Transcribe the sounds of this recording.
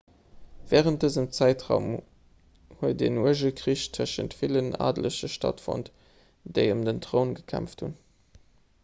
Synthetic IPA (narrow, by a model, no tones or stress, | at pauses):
vɛːʁənt̚d̥əzəmt͡sæɪtʁɑʊm | huət̚denuəʒəlkʀiɕtʰəʃə̰ntfiləna̰ːdləɕəʃtɑ̰tfɔ̰nt | d̥eɪəmdəntʁoʊnɡəkʰæ̰mftʰhun